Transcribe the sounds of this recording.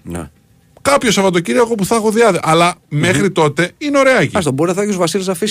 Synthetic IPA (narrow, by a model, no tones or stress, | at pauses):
nḛ | kɐpço̞sɐvɐt̪ociɾioeɣo̞puθɐxoðiɐðiʔɐlɐme̞xɾit̪o̞t̪e̞ineo̞ɾeɐciɐst̪oboɾinɐðocuzvɐsiluzɐfis